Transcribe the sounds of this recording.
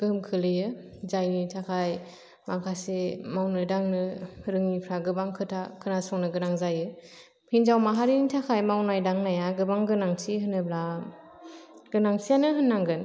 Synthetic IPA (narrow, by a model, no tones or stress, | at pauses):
ɡ̥ɯmkʰɯlɯjɯ | zajnitʰakʰaj | makʰasemawnɯdaŋnɯɾɯŋipʰɾaɡɯbaŋkʰɯtʰakʰɯnasɔŋnɯɡɯnaŋzajɯ | hinzawmaɦaɾinitʰakʰajmawnajdaŋnajaɡɯbaŋɡɯnaŋsʰiɦɯnɯbla | ɡ̥ɯnaŋsʰijanɯɦɯnːaŋɡɯn